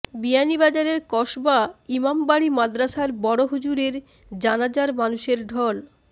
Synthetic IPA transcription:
bianibad͡ʑaɾeɾkɔʃbaimambaɽimad̪ɾaʃaɾbɔɽoɦud͡ʑuɾeɾ | d͡ʑanad͡ʑaɾmanuʃeɾɖʱɔl

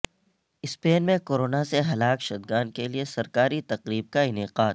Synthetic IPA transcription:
ɪspeːnmẽkoːɾoːnaseɦɐlaːkʃɐd̪̚ɡaːnkeliesɐɾkaːɾit̪ɐqɾiːb̚kaɪnɪqaːt̪

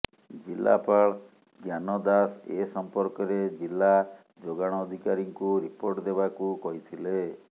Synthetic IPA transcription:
d͡ʒila̰paɭ | ɡjanɔd̪asesɔmpɔɾkɔɾed͡ʒilːa | d͡ʒoɡaɽ̃ɔːd̪ʱikaɾiŋkuɾipoɾʈd̪ebakukɔɦit̪ʰile

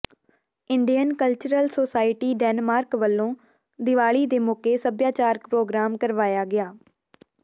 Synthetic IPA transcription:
ɪɳɖijənkəlt͡ʃəɾəlsoːsaːɪʈiːɖɛːnmaːɾkʋəlːõː | d̪ɪʋaːɭiːd̪eːmʊkeːsəbjaːt͡ʃaːɾkpɾoːɡɾaːmkəɾʋaːjaːɡɪaː

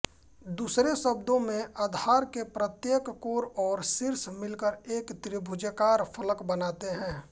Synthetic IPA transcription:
d̪uːsɾesəb̚d̪õmẽʔad̪ʱaːɾkepɾət̪jeːkːoːɾɔːɾsɪɾsmɪlkəɾeːkt̪ɾɪbʱʊd͡ʒəkaːɾfʰələkbənaːt̪eɦɛ̃ː

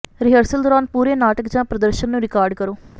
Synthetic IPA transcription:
ɾɪɦəɾsəld̪ɔːɾaːnpuːɾeːnaːʈəkd͡ʒãːpɾəd̪əɾʃənːũːɾɪkaːɾɖkəɾoː

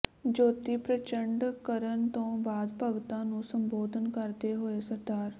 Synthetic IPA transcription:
d͡ʒoːt̪ipɾət͡ʃəɳɖkəɾənt̪õːbaːd̪pəɡt̪ãːnũsə̃mboːd̪ʱənkəɾt̪eɦoesəɾd̪aːɾ

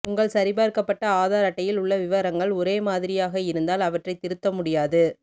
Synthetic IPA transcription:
ʊŋɡɐɭsɐɾɪbaːɾkɐpːɐʈːɐaːðaːɾɐʈːɐjɪlʊɭːɐʋɪʋɐɾɐŋɡɐɭɔɾeːmaːðɪɾɪjaːɣɐɪɾɯnd̪aːlɐʋɐʈrɐɪt̪ɪɾɯt̪ːɐmʊɽɪjaːðɯ

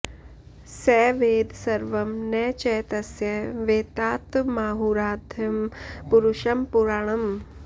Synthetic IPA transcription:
sɛːʋeːd̪sɐɾʋɐmnɛːt͡ʃɛːt̪ɐsjɛʋeːt̪aːt̪maːɦuɾaːd̪ʱɐmpuɾuʃɐmpuɾaːɳ̃ɐm

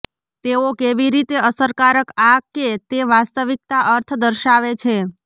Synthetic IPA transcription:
t̪eokeʋiɾit̪eəsəɾkaɾəkakːet̪eʋast̪əʋik̚t̪aʔəɾt̪ʰd̪əɾʃaʋet͡ʃʰe

